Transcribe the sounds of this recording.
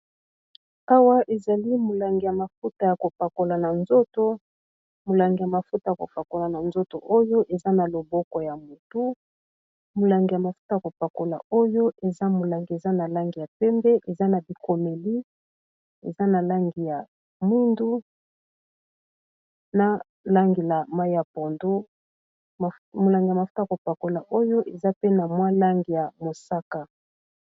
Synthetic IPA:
a˦wa˦ʔe˨za˨li˦mo˨la˨ŋɡi˨ja˨ma˨fu˦ta˨ja˨ko˨pa˨ko˨la˨na˨nzo˦to˦ | mo˨la˨ŋɡi˨ja˨ma˨fu˦ta˨ja˨ko̰˨pa˨ko˨la˨na˨nzo˦to˨ʔo˦jo˦ʔe˨za˦na˨lo˨bɔ˦kɔ˨ja˨mu˨tu˦ | mo˨la˨ŋɡi˨ja˨ma˨fu̥˦ta˨a˨ko˨pa˨ko˨la̰˨o˦jo˦ʔe˨za˦mo˨la˨ŋɡi˨e˨za˦na˨la˦ŋɡi˨ja˨pɛ˦mbɛ˦ʔe˨za˦na˨bi˨ko˨me˨li˦ | e˨za˦na˨la˦ŋɡi˨ja˨ | mu˦ndu˦ | na˦ | la˦ŋɡi˨la˨ma˦i˦ja˨po˨ndu˦˨ | mo˨la˨ŋɡi˨ja˨ma˨fu̥˦ta˦˨ko˨pa˨ko˨la˨ʔo˦jo˦ʔe˨za˦pe˦na˨mwa˦la˦ŋɡi˨ja˨mo˨sa˦ka˨

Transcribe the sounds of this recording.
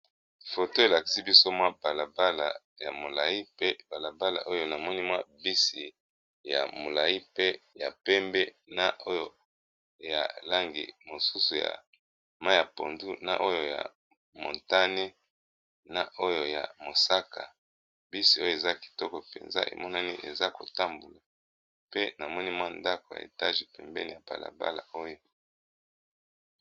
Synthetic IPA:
fo˨to˦e˨la˨ki̥˦si˦bi˦so˦mwa˦ba˨la˨ba˦la˨ | ja˨mo˨la˨ji˦pe˦ba˨la˨ba˦la̰˨ʔo˦jo˨na˨mɔ˦ni˦mwa˦bi˦si˨ | ja̰˨mo˨la˨i˦pe˦ja˨pɛ˦mbɛ˦ | na˦˨ʔo˦jo˨ | ja̰˨la˦ŋɡḭ˨mo˨su˦su˨ja̰˨ | ma˦ja˨po̰˨ndu˦na̰˨ʔo˦jo˨ja̰˨ | mo̰˨nta˦ne˦ | na˦ʔo˦jo˨ja̰˨mo˨sa˦ka˨ | bi˦si˨o˦jo˨e˨za˦ki̥˨tɔ˦kɔ˨pe˨nza̰˦ʔḛ˨mɔ˦na˦ni˦ʔe˨za˦ko̰˨ta˦mbu˨la˨ | pe˦na˨mɔ˦ni˦mwa˦nda˦ko˨ja̰˨ḛ˨ta˦ʒi˨pɛ˨mbɛ̰˦ni˨ja˨ba̰˨la̰˨ba̰˦la̰˨o˦jo˨

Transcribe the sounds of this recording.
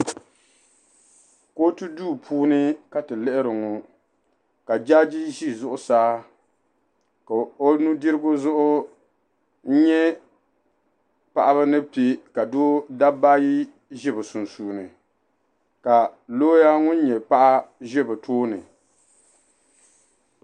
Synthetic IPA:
ko˦tɨ˦duː˦pʰuː˦nɨ˦ka˨tɨ˨lɛ˦ʔɪ˦ɾɨ˨ŋo˨ | ka˨d͡ʒa˦d͡ʒi˦ʒi˦zʊ˦ʔʊ˨saː˦ | ka˨o˦nu˦dɨ˦ɾɨ˦ɡʊ˦zʊ˦ʔʊ˦ | n̩˦ɲɛ˦ | pa˨ʔa˦βɨ˦nɨ˦pe˦ka˨doː˦da˦ba˦ji˦ | ʒɛ˦bɨ˨su˨nsuː˨nɨ˨ | ka˨loː˦ja˦ŋʊ˦n˦ɲɛ˨pa˦ʔa˦ʒɛ˦bɨ˨tʰoː˦nɨ˨

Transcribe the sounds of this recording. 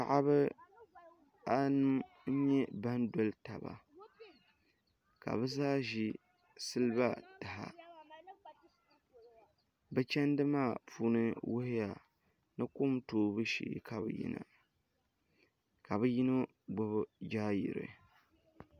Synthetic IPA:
ka˨ʔa˦βɨ˦ | a˦nɨ˦m | ɲ̩˦ɲɛ˦ba˦ndɔ˨lta˨ba̰˨ | ka̰˨bɨ˦zaː˦ʒi˦ | sɨ˦lɨ˦ba˦ta˨ɦa̰˨ | bɨ˦t͡ʃɛ˦ndɨ˦maː˦˨puː˦nɨ˦wʊ˦hɪ˦ja˨ | nɨ˦kʊ˦mtoː˦bɨ˦ʃḭ˨ka˨bɨ̰˨jḭ˦na̰˨ | ka˨bɨ˦ji˦no˦ | ɡ͡bʊ˨bɨ˦d͡ʒaː˦jḭ˨ɾɨ̰˨

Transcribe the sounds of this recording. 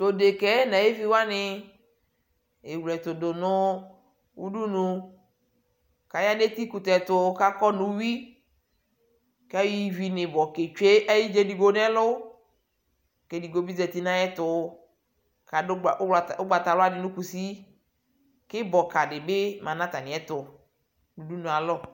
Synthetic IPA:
t̪o˨de˨kɛ˨˦nã˨je˦vi˦wa˦nɪ˨ | e˨wlɛ˨t̪o˨dʊ˨nʊ˦ | wu˦du˦nũ˨ | ka˨ja˦de˦t̪i˦ku˨t̪ɛ˨t̪ʊ˨˦ka˦kɔ˦nũ˨wi˦ | ka˦ji˦vi˨nɪ̃˨bɔ˨ke˨t͡ʃe˦ʔɛ˦ji˦d͡ʒe˦di˨ɡo˦nɛ̃˦lʊ˦ | ke˨di˨ɡo˨bi˦zɛ˨t̪i˦nã˦jɛ˦t̪ʊ˨˦ | ka˨˦˨a˨o˦ɡ͡ba˨t̪a˨lʊ˦a˦˨dɪ˨nũ˦ku˨si˦ | kɪ˦bɔ˨ka˨ɖɪ˨be˦mã˨nã˦t̪a˨nɪ̃˨ɛ˦t̪ʊ˨ | nũ˨du˦nũ˨a˨lɔ˦

